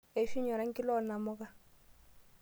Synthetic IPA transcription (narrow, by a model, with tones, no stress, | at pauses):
e˨fi˦ɲɔ˨ɾa˦ŋ̩˦kʼɪ˦lɔ˦˨na˨mʊ˦ka˦